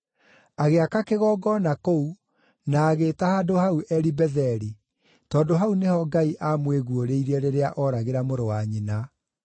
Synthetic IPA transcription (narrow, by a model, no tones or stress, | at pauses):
aɣeakakeɣɔːɡɔnakou | naːɣetahaːdohauʔɛɾibɛðɛɾi | tɔːdoɦaunehɔɡaiʔamweɣuoɾeiɾɛɾeɾeaʔɔɾaɣeɾamoɾowaɲina